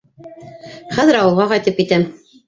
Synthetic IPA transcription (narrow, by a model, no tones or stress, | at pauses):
χæðɘɾɑwɤ̆lˠʁɑqɑjt̪ɤpit̪æm